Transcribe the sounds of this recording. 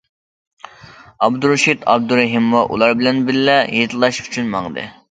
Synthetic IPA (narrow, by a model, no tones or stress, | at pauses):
ɑbd̪uɾuʃit̪ʰɑ̰b̚d̪uɾɛɦimːɑʔṵlˠɑɾbɪlɛnbɪllɛjet̪ʰɨlˠɑʃy̥t͡ʃʰynmɑŋd̪ɨ̰